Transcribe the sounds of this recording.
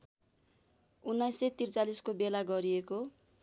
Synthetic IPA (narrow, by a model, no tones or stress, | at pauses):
unːʌjset̪irt͡saliskobelaɡʌɾieko